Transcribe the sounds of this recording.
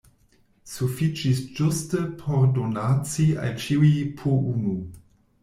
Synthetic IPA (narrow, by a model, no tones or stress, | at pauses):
sufit͡ʃisd͡ʒʊstəpʰɔʁdonat͡sia̰lt͡ʃiwipʰuʔunu